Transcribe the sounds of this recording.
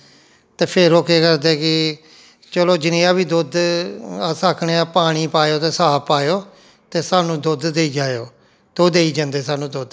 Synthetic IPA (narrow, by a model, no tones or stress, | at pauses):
t̪eːpʰeɾoːkeːkəɾd̪eːkɪ | t͡ʃɛːloːd͡ʒɪneaːbiːd̪ʊd̪asaːkʰneːaːpaːɽ̃iːpaːjoːt̪eːsaːpaːjoː | t̪eːsaːnũːd̪ʊd̪d̪eːiːd͡ʒaːejoː | d̪̥od̪eːiːd͡ʒãnd̪eːsaːnũːd̪ʊd̪